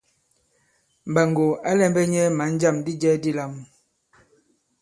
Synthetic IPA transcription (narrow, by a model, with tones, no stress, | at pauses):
m˨ba˨ŋɡo˨a˦lɛ˦m˦bɛ˦ɲɛ˦ma˨˦n˦d͡ʒa˦˨mdi˦d͡ʒɛ˦di˦la˦˨m